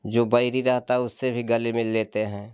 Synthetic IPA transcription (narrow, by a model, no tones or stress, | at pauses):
d͡ʒoːbɐɪɾiɾɐɦt̪aʊsːebʱiɡɐlimɪlːeːt̪eɦɛ̃ː